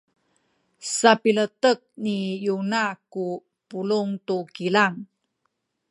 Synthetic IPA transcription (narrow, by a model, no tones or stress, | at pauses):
sapilətək̚nijunaku | puluŋtukilaŋ